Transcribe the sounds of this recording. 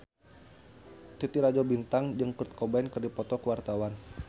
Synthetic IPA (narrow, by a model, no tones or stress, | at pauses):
t̪it̪iɾad͡ʒɔbint̪aŋd͡ʒəŋkurt̪̚kɔbankərdipɔt̪ɔkəwart̪awan